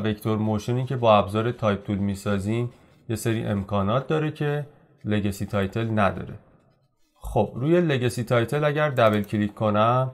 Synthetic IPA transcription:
ve̞ct̪ʰo̞ɾmoʃeniːcʰe̞bɒːæbzɒːɾe̞t̪ʰɒːjp̚t̪ʰulmiːsɒːziːn | je̞seɾḭːʔe̞̰mkʰɒːnɒːt̪̚d̪ɒːɾe̞cʰe̞ | le̞ɡɒsit̪ʰɒːjt̪ʰe̞lnæd̪ɒ̰ːɾe̞ | xob̥ruːje̞le̞ɡɒsit̪ʰɒːjt̪ʰe̞læɟæɾd̪æbe̞lcʰlikʰːo̞næm

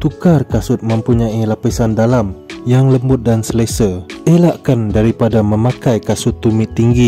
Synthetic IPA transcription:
t̪ukarkasʊt̪̚mə̃mpuɲaʔilapisandalamjaŋləmbʊt̪̚dansəlesəelaʔkandaɾipadamə̃mãkajkasʊt̪ːumɪt̪ːiŋɡi

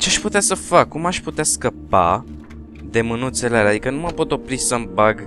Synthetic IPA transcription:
t͡ʃeaʃput̪easəfakːumaʃput̪easkəpa̰ | d̪e̞mɨnunt̪selealead̪ikənuməpo̞t̪o̞pɾisəmbaɡ

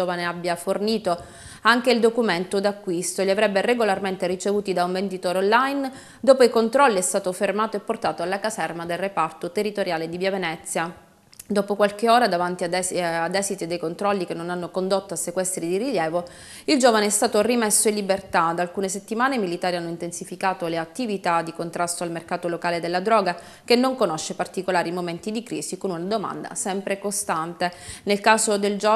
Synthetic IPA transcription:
oːvaneabːjaforniːt̪o | aŋk̟eild̪okument̪od̪akːwist̪oʎiavɾɛbːereɡolarment̪erit͡ʃevuːt̪id̪auɱvend̪it̪oːɾeonlajn | d̪oːpoikont̪ɾɔlːiɛst̪aːt̪ofermaːt̪oepːort̪aːt̪oalːakasɛrmad̪elrepart̪ot̪erːit̪oɾjaːled̪ibjavenɛt̪sːja | d̪oːpokwalkeoːɾad̪avant̪iaɛad̪ɛːsit̪id̪ejkont̪ɾɔlːik̟enːonanːokond̪ot̪ːoasːekwɛst̪ɾid̪iriljɛːvo | ild͡ʒoːvaneɛst̪aːt̪orimesːoinlːibert̪ad̪aːlkuːneset̪ːimaːnemilit̪aːɾianːoint̪ensifikaːt̪oleat̪ːivit̪ad̪ikont̪ɾast̪oalmerkaːt̪olokaːled̪elːad̪ɾɔːɡa | k̟enːoŋkonoʃːepart̪ikolaːɾimoment̪id̪ikɾiːsikonunad̪oma̰nd̪a̰sɛmpɾekost̪ant̪enelkaːsod̪eld͡ʒ

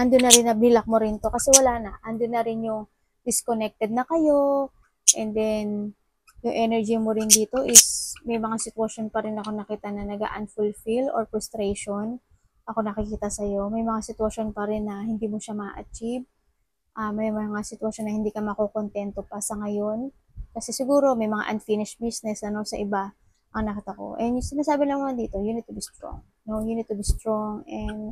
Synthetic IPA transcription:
ʔɐnd̪ʊnːɐɾɪnːɐbnɪlɐk̚moɾɪnt̪o̞kɐsɛwɐlanɐʔɐnd̪ʊnːɐɾɪnjʊŋ | d̪ɪskonɛk̚t̪ɛd̪̚nɐkɐjo̞ | ʔɛnd̪ɛn | jʊŋʔɛnɛɹd͡ʒimoɾɪnd̪iːt̪o̞ʔɪsmɐjmɐŋasɪt̪wɐʃo̞npɐɾɪnɐko̞nɐkiːt̪ɐnɐnɐɡa̰ʔɐ̰nfulfiloɹpɹʊst̪ɾejʃon | ʔɐko̞nɐkɪkiːt̪ɐsɐjo̞mɐjmɐŋasɪt̪wɐʃo̞npɐɾɪnːɐhɪnd̪iːmoʃamɐa̰ʔɐt͡ʃiv | ʔamɐjmɐŋasɪt̪wɐʃo̞nːɐhɪnd̪iːkɐmɐkoko̞nt̪ɛnt̪o̞pɐsɐŋɐjo̞n | kɐsɛsɪɡuːɾo̞mɐjmɐŋa̰ʔɐnfinɪʃbisnɛsɐno̞sɐʔɪba | ʔɐŋnɐkiːt̪ako̞̰ʔɛnjsɪnaːsaːbɪlɐŋmʊnɐd̪iːt̪o̞jʊnɪd̪̚t̪ʊbist̪ɹo̰ŋ | no̞jʊnɪd̪̚t̪ʊbist̪ɾoŋɛnd̪

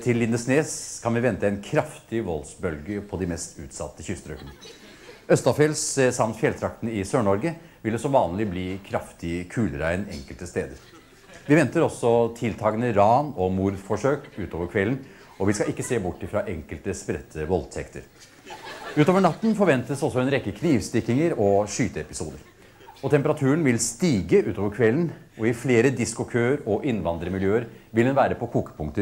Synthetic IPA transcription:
t̪ʰɪlːɪnd̪əsneːskʰɑnʋɪʋɛnt̪əæɪnkʰɾɑft̪ɪʋɔlsbœlɡəpʰɔd̪ɪmɛst̪ʉ̰ːt̪sɑ̰t̪ːəçʏst̪ɾœkənə | œst̪ɑfeːlssɑmt̪fjɛlt̪ʰɾɑkt̪nəɪsøːɳɔɾɡə | ʋɪlːəsɔmʋɑːnlɪbliːkʰɾɑft̪ɪkʰʉːlɾæɪnɛ̰ŋkəlt̪əst̪eːd̪əɾ | ʋɪʋɛnt̪əɾɔsːɔt̪ʰɪlt̪ʰɑːɡənəɾɑːnɔmuːɾfɔʂøːkʉːt̪oːʋəɾkʰʋɛln̩ | ɔʋɪskɑʔɪkːəseːbʊʈːɪfɾɑʔɛŋkəlt̪əspɾɛt̪ʰːəʋɔlt̪ʰɛkt̪ə̰ɾ | ʉːt̪oːʋəɳɑt̪ːn̩fɔɾʋɛnt̪əsɔsːɔɛnɾɛkːəkʰniːʋst̪ɪkːɪŋəɾɔʂyːt̪əɛpɪsuːd̪əɾ | ɔt̪ʰɛmpəɾɑt̪ʰʉːənʋɪlst̪iːɡəʔʉːt̪oːʋəɾkʰʋɛlːn | ɔɪfleːɾəd̪ɪskʊkʰøːəɾɔʔɪnːʋɑnd̪ɾəmɪljøːəɾʋɪldɛnʋæːɾəpʰɔkʰuːkə̥pʰʊŋkt̪ə

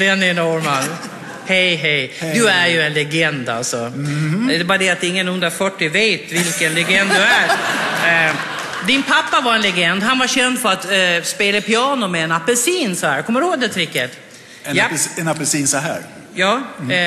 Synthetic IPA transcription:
d̪ɛnɛnɔɾmal | hɛjɦɛjd̪ɵæɾjɵɛnlɛɡɛnd̪a̰lsɔ | ɛbɑːɾad̪ɛat̪̚ːɪŋːənhɵnd̪ɾafœʈːɪveːt̪vɪlkənlɛɡɛnd̪d̚d̪ɵæɾ | d̪ɪnpʰapːavaɾɛnlɛɡɛnd̪ɦanvaɕɛnd̪fœɾat̪speːləpʰɪɑːnʊmɛːnapːɛlsiːnsɔhæ̰ːɾkʰɔmːəɾəhoːɡ̚d̪ɛt̪ʰɾɪkːət̪ | aɛnapɛsiːnsɔɦæ̰ːɾ | jɑː

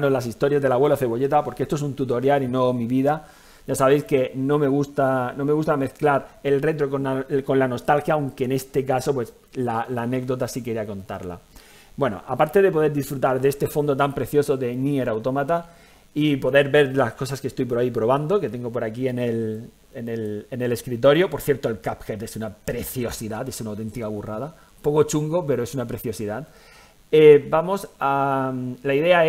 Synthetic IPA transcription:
nozlasist̪o̞ɾjazðe̞lawe̞loθe̞βo̞ʎe̞t̪apo̞ɾkeest̪oesunt̪ut̪o̞ɾjalino̞miβiða | ʝasaβe̞jske̞no̞me̞ɣust̪anõ̞me̞ɣust̪ame̞θklaɾelre̞t̪ɾo̞konako̞nlano̞st̪alxjawŋke̞ːne̞st̪e̞kaso̞pwe̞s | lalaːne̞ɡ̚d̪o̞t̪asike̞ɾiako̞nt̪a̰ɾla̰ | bwe̞no̞̰ʔapaɾt̪e̞ðe̞po̞ðe̞ɾðisfɾut̪aɾðe̞st̪e̞fo̞nd̪o̞t̪ampɾe̞θjo̞so̞ðe̞nie̞ɾawt̪o̞mat̪a | ipo̞ðe̞ɾβe̞ɾlasko̞saske̞st̪ojp̬oɾaip̬ɾo̞βand̪o̞ke̞t̪e̞ŋɡop̬o̞ɾakie̞ne̞l | ene̞lene̞le̞skɾit̪̬o̞ɾjopo̞ɾθjeɾt̪oelkapxet̪e̞sunapɾe̞θjo̞siðat̪e̞sunawt̪e̞nt̪ikaβurað̞a | po̞ko̞t͡ʃuŋɡo̞pe̞ɾo̞e̞sunapɾe̞θjo̞siðat̪ | ebamo̞sa | laiðe̞ae

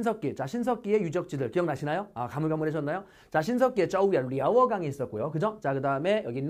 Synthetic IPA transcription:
nsʰʌk͈it͡ɕaɕʰinsʰʌk͈ie̞jud͡ʑʌk̚t͡ɕ͈idɯɭkijʌŋnaɕʰinajoakamuɭɡamɯɾɦeɕ̬ʰʌnːajo | t͡ɕaɕʰins̬ʰʌk͈ie̞t͡ɕ͈ʌuijaɾiawʌɡaŋiːs͈ʌt̚k͈ojokɯd͡ʑʌt͡ɕakɯdaɯme̞jʌɡin

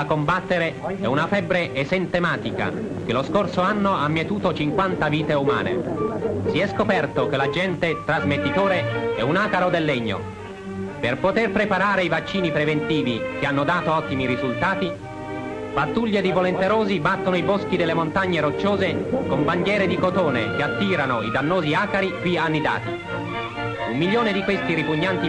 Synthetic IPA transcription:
akombat̪ːeɾeɛunafɛbːɾeʔesɛnt̪emaːt̪ika̰ | k̟eloskorsoanːoamːjiet̪uːt̪ot͡ʃiŋkwant̪aviːt̪euma̰ːnḛsiɛskopɛrt̪ok̟elad͡ʒɛnt̪et̪ɾazmet̪ːit̪oːɾeɛ̰unakaɾod̪elːeɲːo̰ | perpot̪erpɾepaɾaːɾeivat͡ʃːiːnipɾevent̪iːvik̟eanːod̪aːt̪oɔt̪ːimiɾizult̪aːt̪i | bat̪ːuʎːed̪ivolent̪eɾoːzibat̪ːonoibosk̟id̪elːemont̪aɲːeɾot͡ʃːoːzekomband̪jɛːɾed̪ikot̪oːnḛk̟eat̪ːiːɾanoid̪anːoːziaːkaɾikwianːid̪a̰ːt̪i | umːiljoːned̪ikwest̪iɾipuɲːant̪i

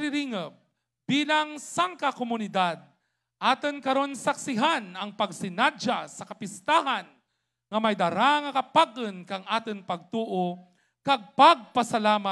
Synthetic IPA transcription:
ɾɪɾiŋəp̚ | b̥iːlɐŋsaŋkakomʊnɪd̪ad̪̚ | ʔaːt̪ɨnkɐɾo̞nsɐksɪɦanɐŋpɐɡ̚sɪnad͡ʒasɐkɐpɪst̪aːɦɐn | ŋɐmɐjd̪ɐɾaŋɐkɐpaɡɨnkɐŋʔaːt̪ɪŋpɐɡ̚t̪uːʔo | kɐɡ̚pɐaɡ̚pɐsɐlaːma

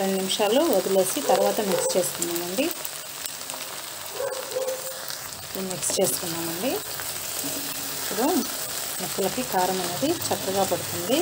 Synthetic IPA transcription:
ɾeɳɖnimʂaːluʋɐd̪ile̞ːsit̪ɐɾuʋaːt̪ɐmikst͡ʃe̞ːst̪unːaːmɐɳɖi | emikst͡ʃe̞ːst̪unːaːmɐɳɖi | ipːuɽu | mɐkːulɐkikaːɾɐmɐneːd̪it͡ʃɐkːɐɡaːpɐɽut̪und̪i

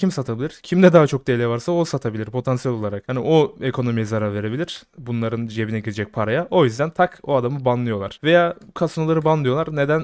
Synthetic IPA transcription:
cʰimsat̪ʰabilʲiɾ̥cʰimd̪ɛd̪aɦat͡ʃʰo̞k̚d̪elʲɛvaɾsaosat̪ʰabilʲiɾpʰo̞t̪ʰansijɛlʲo̞lˠaɾakhanioe̞kʰo̞no̞mijɛzaɾaɾve̞ɾe̞bilʲiɾ̥bunlˠaɾɯnd͡ʒiebinɛɟiɾid͡ʒɛc̚pʰaɾajaʔo̞jyzd̪ænt̪ʰakoad̪amɯbanlˠɯjo̞lˠaɾ̥ve̞jaːkʰasnolˠaɾɯbanlˠɯjo̞lˠaɾne̞d̪æn

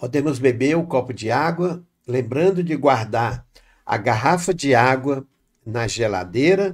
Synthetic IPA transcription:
pod̪ẽmʊzbebeʊkɔpʊd͡ʒɪaɡwɐ | lẽmbɾɐ̃nd̪ʊd͡ʒɪɡwaɾd̪aɾ | ɐ̰ɡaɦafɐd͡ʒɪaɡwɐ | nɐʒela̰d̪eɾɐ

